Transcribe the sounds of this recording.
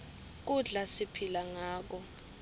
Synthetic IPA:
k̬uɮasipʰilaŋaːk̬ɔ

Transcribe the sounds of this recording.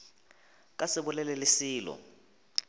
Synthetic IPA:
k̬ʼasɪɓʊlɛlɛlɪsiːlɔ̰

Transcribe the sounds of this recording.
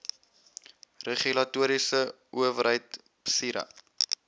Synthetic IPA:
reχylɐtuəɾisə | ʔuəvəɾɦəjt | psiɾɐ̰

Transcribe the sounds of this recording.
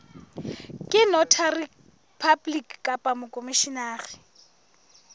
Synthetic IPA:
kʼɪnɔtʰari | pʰablikkʼapʼamʊkʼomiʃinaːrɪ

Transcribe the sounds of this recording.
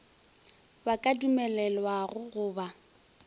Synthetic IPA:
bakʼadumɛlɛlwaɣʊɣʊːba

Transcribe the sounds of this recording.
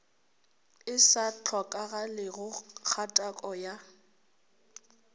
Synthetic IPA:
ɪsat͡ɬʰɔkʼaɣalɪɣʊk͡xʰatʼakʼɔja

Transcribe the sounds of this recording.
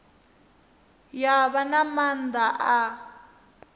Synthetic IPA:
jaβanamand̪aʔa

